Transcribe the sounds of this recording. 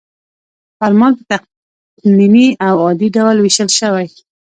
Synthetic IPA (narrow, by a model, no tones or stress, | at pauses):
faɾmɑnpət̪aq | niniawɑd̪iɖawlwɪʃəlʃəwaj